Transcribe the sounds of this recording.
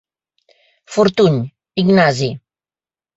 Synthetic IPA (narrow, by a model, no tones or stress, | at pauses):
fuɾt̪uɲ | iɡnazi